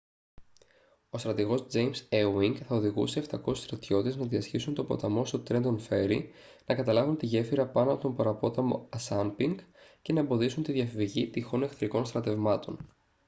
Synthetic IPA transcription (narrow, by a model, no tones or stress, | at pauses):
o̞st̪ɾɐt̪iɣo̞zd͡ze̞jmsewiŋɡθɐoðiɣṵse̞ːft̪ɐko̞si̥st̪ɾɐt̪ço̞t̪eznɐðiɐsçisunt̪o̞po̞̰t̪ɐmo̞st̪ot̪ɾe̞nd̪o̞nfe̞ɾḭ | nɐkɐt̪ɐlɐvunt̪iʝe̞fiɾɐpɐnoɐpo̞t̪o̞mpɐɾɐpo̞t̪ɐmo̞̰ɐsɐmpiŋɡce̞nɐembo̞ðisunt̪iðʝɐfiviʝit̪ixo̞nekθɾiko̞nst̪ɾɐt̪e̞vmɐt̪o̞̰n